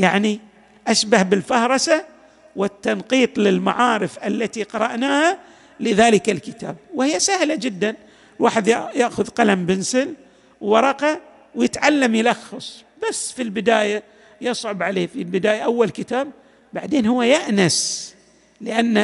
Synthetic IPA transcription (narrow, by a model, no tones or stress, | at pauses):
jaʕni | ʔaʃbahbɪlfɑhɾˤɑsa | wɪt̪ːɑnqiːt̪ˤlɪlmaʕaːɾɪfʔalːat̪iqɑɾˤɑʔnaːha | lɪðaːlɪkalkɪt̪a̰ːb̚whɪjːasahlad͡ʒɪd̪ːan | waːħɪd̪jajaʔxʊðqɑlambɪnsɪl | wwɑɾˤɑqɑ | wjɪt̪ʕalːamjɪlɑxːɑsˤbasːfilbɪd̪aːja | jɨsˤʕʊbʕaleːfilbɪd̪aːjaʔawːalkɪt̪aːb̚ː | a̰ʕd̪eːnhʊwːajaʔnas | lɪʔanː